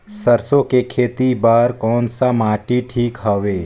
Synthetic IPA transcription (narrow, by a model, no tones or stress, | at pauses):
sɐɾsõkekʰeːt̪ibaːɾkɔːnsamaːʈiʈʰiːkɦɐʋeː